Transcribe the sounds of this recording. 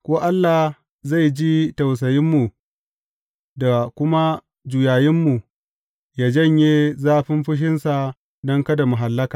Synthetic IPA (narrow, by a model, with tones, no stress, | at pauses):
kʷoː˦ʔa˦lːa˨h | za˦˨jd͡ʒi˦ta˨ws̬ɐ˨jɪ˦mːu˨ | da˨kʷʊ˦ma˦ | d͡ʒuː˨jaː˨jɪ˦mːu˨ | ja˨d͡ʒɐ˦˨ɲjeː˦zaː˦ɸɪ˦mɸɪ˦ʃ̬ɪ˦nsa˨ | dɔ˦ŋkɐ˦da˨mʊ˨ɦa˨lːɐ˦kaː˨